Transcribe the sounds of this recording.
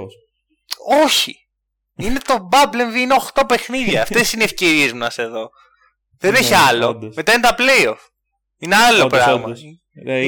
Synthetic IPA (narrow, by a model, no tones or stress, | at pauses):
o̞çi | ine̞t̪o̞bɐblenðiineo̞xt̪o̞pe̞xniðʝɐːft̪e̞sineːfce̞ɾie̞zmnɐse̞ðo̞ | ðeneçiɐlo̞me̞t̪ɐinet̪ɐplejof | ine̞ɐlo̞pɾɐɣmɐ